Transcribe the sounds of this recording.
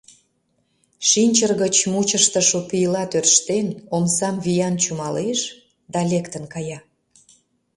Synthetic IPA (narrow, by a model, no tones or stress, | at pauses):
ʃinʲt͡ɕərɣət͡ɕmut͡ɕəʃt̪əʃopijlɑt̪ørʃt̪enomsɑmβijɑnt͡ɕumɑleʃ | d̪ɑlʲekt̪ənkɑjɑ